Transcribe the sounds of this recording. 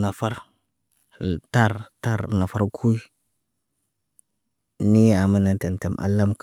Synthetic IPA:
na˨fa˦ɾ | ta˦ɾta˦˨ɾna˨fa˦ɾkʰu˦i˦ | ni˦a˨ma˦na˨ta˨nta˨mʔa̰˨la˦mk

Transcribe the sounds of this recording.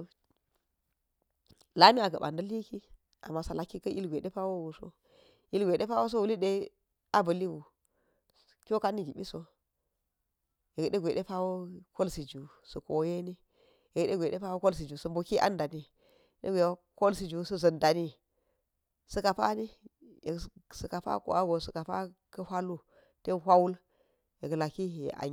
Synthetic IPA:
la˦ni˦a˨ɡɐ˨ɓa˨ndɐ˦li˦ki˦ | ʔa̰˨mːa˨sa˨la˨kːi˦kɐ˦ʔi˦lɡʷe˨ɗe˦pa˦wo˦wu˨so̰˦ | i˦lɡʷe˨ɗe˦pa˦wo˦s̬o˦wu˨li˦ɗe˦ | a˦bɐ˨li˦wu˨ | kʲo˦ka˦nːi˦ɡi˨ɓi˦so˦ | je˨ɡɗe˦ɡʷe˨ɗe˦pa˦wo˦ko˦lsi˨d͡ʒu˨ | sə˨ko˨˦je˦ni˦ | je˨ɡɗe˦ɡʷe˨ɗe˦pa˦wo˦ko˦ls̬i˨d͡ʒu˨sɐ˨mbu˨ki˦ʔa̰˦nda˨ni˦ | ɗḛ˦ɡʷe˨wo˦ko˦lsi˨d͡ʒu˨sɐ˦zɐ˨nda˨ni˦ | sɐ˨˦ka˨pa̰˦ni˦ | je˨ksə˨ka˨pa̰˦ko̰˨a˦ɡo˨sə˨ka˨pa̰˦kɐ˦hʷa˦lu˦ | te˦nɦʷa˦wu˦l | je˨kla˨ki˦ḛ˨a̰˨˦

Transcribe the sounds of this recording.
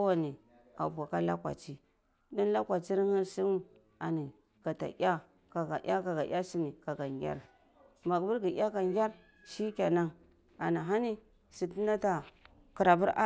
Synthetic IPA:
wa˨ni˨ | a̰˨ba˨ka˦la˦kwa̰˨t͡ʃi˦ | di˦n˦la˦kʷa˨t͡ʃi˦ɾi˦ŋi˦si˦u˦ | a˨ni˨ | ɡ̥a˨ta̰˨ʔʲa˦ | ka˨ɡa̰˨ʔʲa˦ka˨ɡa˨ʔʲja˦si˦ni˨ka˨ɡa˨ŋɡʲa̰˦ɾ | ma˨kbu˦ɾɡi˨ʔʲa˦ka˨ŋɡʲa˦ɾ | ʃi˦kʲa˨na˦ŋ | a˨ni˨ɦa˦ni˦ | si˨ti˦na˦ta˨ | ki˨ɾa˨bu˦ɾa˦

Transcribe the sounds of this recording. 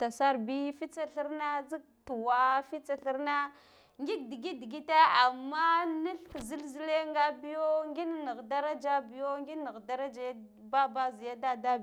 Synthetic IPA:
ta˨sa˦ɾbi˦fi˦t͡sa˦ɬi˦ɾna˦d͡zi˦k̚tu˨wa˨fi˦t͡sa˨ɬi˦ɾna˦ | ŋɡi˦k̚di˨ɡi˦di˨ɡi˦ta˦a˨mːa˦ni˦ɬkzi˦lzi˦le˦ŋɡa˦bi˦jo˦ŋɡi˦n˦ni˨ɣda˦ɾa˦d͡ʒa˦bi˨jo˦ŋɡi˦ni˨ɣda˦ɾa˦d͡ʒe˦ | ba˦ba˦zi˨ja˦da˦da˦˨

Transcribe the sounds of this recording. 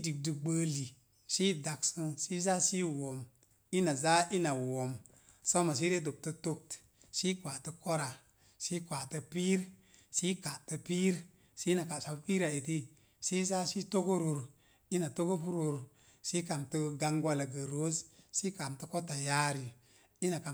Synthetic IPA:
di˨k̚dɨ˨ɡ͡bə˦li˨ | si˦da˨ksɨ˦ŋsi˦za˦si˦wo˨m | i˦na˨za˦ʔi˦na˨wo˨m | so˦ma˨s̬i˦ɾe˦do˨p̚tɨ˦to˦k̚t | si˦kwa˨tə˦ko˦ɾa˨ | si˦kʷa˨tɨ˧pi˦ɾsi˦ka˨tɨ˧pi˦ɾ | si˦na˨ka˨sa˨˦pi˦ɾa˨e˨ti˦ | si˦za˦si˦to˦ko˦ɾo˨ɾ | i˦na˨to˦ko˦pu˦ɾo˨ɾ | si˦ka˨mtɨ˦ɡa˧ŋɡwa˦la˨ɡə˨ɾo˦zsi˦ka˨mtə˦ko˦ta˨ja˦ɾi˨ | i˦na˨ka˨

